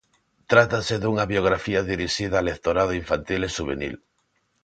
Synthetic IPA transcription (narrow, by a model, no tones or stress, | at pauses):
t̪ɾat̪aseðuŋaβjoɣ̞ɾafiaðiɾiʃiðalekt̪oɾað̞oiɱfant̪ileʃuβenḭl